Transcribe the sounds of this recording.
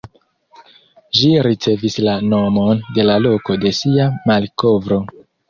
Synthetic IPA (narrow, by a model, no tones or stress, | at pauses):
ʃiɾit͡se̞vislano̞mo̞nde̞lalo̞ko̞de̞siamalko̞vɾo̞